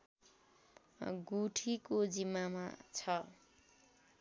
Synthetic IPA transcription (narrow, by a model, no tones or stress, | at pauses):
ɡuʈʰikod͡zimːama̰t͡sʰʌ